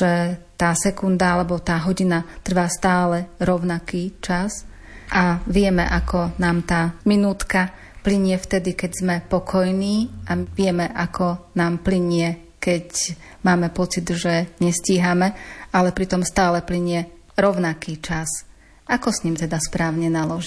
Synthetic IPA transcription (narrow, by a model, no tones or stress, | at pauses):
ʒɛt̪aːsɛkund̪aalɛbɔt̪aːɦɔɟinat̪r̩ʋaːst̪aːlɛɾɔʊnakiːt͡ʃas | ʔaʋɪɛmɛ̰ʔakɔnaːmt̪aːminuːt̪ka | pliɲɪɛft̪ɛd̪ikɛɟzmɛpɔkʰɔjniːʔaʋɪɛmɛʔakɔnaːmpliɲɪɛ | kɛc | maːmɛpɔt͡sid̪ʒɛɲɛsciːɦamɛalɛpɾit̪ɔmst̪aːlɛpliɲɪɛ | ɾɔʊnakiːt͡ʃas | ʔakɔsɲimt̪ɛd̪aspɾaːʊɲɛnalɔʒi